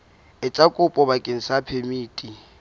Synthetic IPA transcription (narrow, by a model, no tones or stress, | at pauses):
ɪt͡sʼakʼʊpʼɔbakʼɪn̩sapʰemiːtʼi